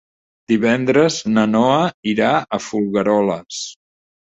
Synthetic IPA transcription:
d̪iβɛnd̪ɾəznənɔəiɾaəfulˠɣəɾɔləs

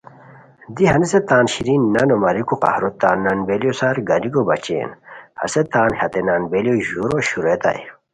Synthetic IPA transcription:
d̪iɦɐneset̪aːnɕiɾinːɐnomɐɾikoqa̰hɾot̪aːnːɐnbelijosaɾɡɐlikobɐt͡ɕḛːnhɐ̰set̪aːnhɐt̪enanbelijoʑuɾoɕuɾet̪a̰j

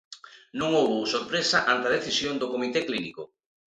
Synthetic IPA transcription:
nõŋowβosoɾpɾesaʔant̪ɐð̞eθisjond̪okomit̪eklinḭko

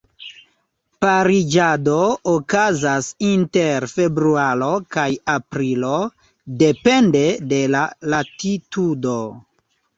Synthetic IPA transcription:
paɾid͡ʒado̞ːkazasinte̞ɾfe̞bɾuaɾo̞kajapɾilo̞ | de̞pe̞nde̞de̞lalatitudo̞

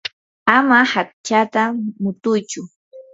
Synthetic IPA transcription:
amahak̚t͡ʃat̪amʊt̪ʊjt͡ʃʊ

